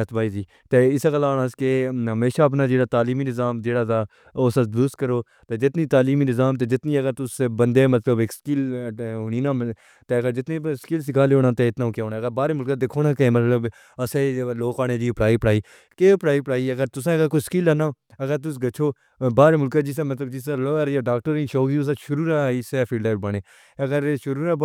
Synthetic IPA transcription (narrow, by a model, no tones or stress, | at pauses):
ət̪ʰbaːiːd͡ʒiː | t̪eːɪsəkəlaːnãːskeɦəmeːʃaːəp̬naːd͡ʒeːɽaːt̪aːliːmiːnɪzaːmd͡ʒeːɽaːt̪aː | oːsad̪ʊskəɾoː | t̪eːd͡ʒɪt̪niːt̪aːliːmiːnɪzaːmt̪̬eːd͡ʒɪt̪niːəɡəɾt̪ʊsbənd̪eːmət̪ləbekskɪlɦʊɳ̃iːnaː | t̪eːəɡəɾd͡ʒɪt̪niːskɪːls̬ɪkʰaːleoːnãːt̪eːɪt̪nãːkjaːɦoːnaːɡəɾbaːɾeːmʊlkad̪ɪkʰoːnãːkẽːmət̪ləb | əseloːkaːneːd͡ʒiːpɽaːiːpəɽaːiː | keːpɽaːiːpəɽaːiːɐɡəɾt̪ʊsãːɡəɾkoːskiːlanaː | ɐɡəɾt̪̬ʊsɡət͡ʃʰoː | baːɾemʊlkaːd͡ʒɪs̬eːmət̪ləbd͡ʒɪsãːləːɾjaːɖaːk̚ʈəɾĩːʃoːkd͡ʒiːʊs̬ãːʃʊɾuːɾãiːsɛːpʰiɖaːbəneː | ɐɡəɾʃʊɾuːɾã